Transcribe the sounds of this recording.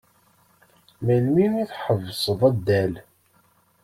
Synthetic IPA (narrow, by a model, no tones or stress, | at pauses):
mælminiθħəvːsˤəðˤæd̪ːæl